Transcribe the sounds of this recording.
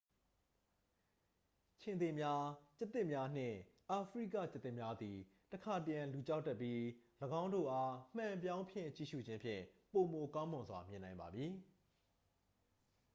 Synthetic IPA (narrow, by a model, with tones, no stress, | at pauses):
t͡ɕʰɪ̃˨nd̪e˨mja˦t͡ɕɛ˦t̪ːɪ˦ʔmja˦n̥ɪ̰̃˦˨ʔa˨pʰəɹḭ˦˨kä̰˦˨t͡ɕɪ˦t̪ːɪ̃˦˨mja˦d̪i˨ | təkʰa˨təjã˨lu˨t͡ɕa˦tːɛ˦pːji˦ləɡã˦ʊ̃ndo̰˦˨ʔa˦m̥ã˨mpjã˦ʊ̃mpʰjɪ̰̃˦˨t͡ɕḭ˦˨ʃṵ˦˨d͡ʑɪ̃˦mpʰjɪ̰̃˦˨po˨mo˨kã˦ʊ̃mʊ̃˨nzwa̰˨mjɪ̃˨nã˨ɪ̃mba̰˨mji˨